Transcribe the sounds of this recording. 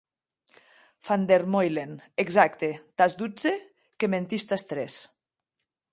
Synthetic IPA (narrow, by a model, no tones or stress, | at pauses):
fand̪eɾmojleneɡzakt̪et̪azd̪ud͡ze | kement̪ist̪ast̪ɾes